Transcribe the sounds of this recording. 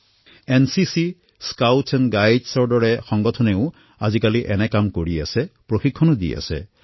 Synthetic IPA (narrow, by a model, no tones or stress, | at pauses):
ensisi | skawtsɛnɡajdsɔɹdɔɹɛxɔŋɡɔtʰɔneʊ | azikaliʔɛnɛkamkoɹia̰sɛpɹoxikʰːɔnudḭa̰sɛ̰